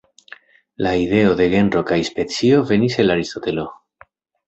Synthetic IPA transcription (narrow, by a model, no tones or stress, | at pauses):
laiðe̞o̞ðe̞ɣe̞nɾo̞kajspe̞t͡sio̞ve̞nise̞laɾist̪o̞t̪e̞lo̞